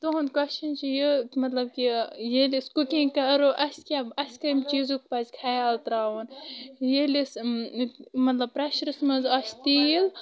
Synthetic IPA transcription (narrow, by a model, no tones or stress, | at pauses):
t̪oɦund̪kwɐst͡ʃɐnt͡ʃʰijɨmɐt̪lɐb̚kijelʲiskukʲĩŋkɐɾoʔɐsʲkʲabɐsʲkɾimt͡ʃizuk̚pɐzkʰajaːlt̪ɾaːwɐnjelis | mɐt̪lɐb̚pɾɐʃɾɨsmɐnzɐst̪il